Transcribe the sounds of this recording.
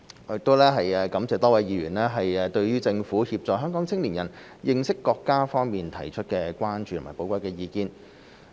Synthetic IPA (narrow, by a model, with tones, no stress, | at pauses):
jɪ˨k̚t̪o˥wlɛː˥ɦɐ˨jɛː˨˧kɐ˨˥mt͡sɛː˨t̪ɔː˥wɐː˨˧jjiː˨˧ɥyː˨˩nlɛː˥ɦɐ˨jɛː˧t̪ɵ˧ɥɥyː˥t͡sɪ˧ŋfuː˨˥hiː˧p̚t͡sɔː˨kɦœː˥ŋkɔː˨˥ŋt͡sʰɪ˥ŋliː˨˩jɐ̰˨˩n | jɪ˨˧ŋsɪ˥kːɔː˧kːaː˥fɔː˥ŋmiː˨nt̪ʰɐ˨˩jt͡ʃʰɵ˥t̚kɛː˧kʷaː˥nt͡ʃyː˨t̪ʰma˨˩po˨˧wkɐ˥jkɛː˧jiː˨˧kiː˧n